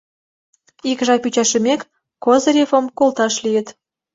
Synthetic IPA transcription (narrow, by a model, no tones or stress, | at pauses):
ikʒɑpyt͡ɕɑʃəmekː | ozɾʲefəmkolt̪ɑʃlijə̆t̪